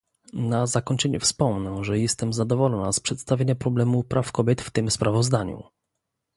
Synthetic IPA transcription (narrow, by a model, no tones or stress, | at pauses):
nazakɔɲt͡ʂɛɲṵfspɔmnɛʐɛjɛst̪ɛmzad̪ɔvɔlɔnaspʂɛt̪st̪avʲeɲapɾɔblɛmupɾʔafkɔbʲjɛt̪ft̪ɘmspɾavɔzd̪aɲṵ